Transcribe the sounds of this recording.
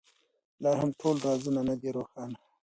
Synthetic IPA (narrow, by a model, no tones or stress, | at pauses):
lɑɦamʈʰolɾɑzunanad̪iɾoxɑna